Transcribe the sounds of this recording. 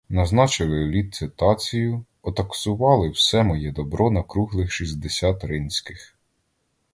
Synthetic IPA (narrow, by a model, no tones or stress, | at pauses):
nɐznɑt͡ʃɪlˠɪlʲit̪̚sɪt̪ɑt͡sʲijʊ | ɔt̪ɐksʊʋɑlˠɪwsɛmɔjɛd̪ɔbɾɔnɐkɾuɦlˠɪxʃizʲd̪esʲɑt̪ɾɪnʲsʲkɪx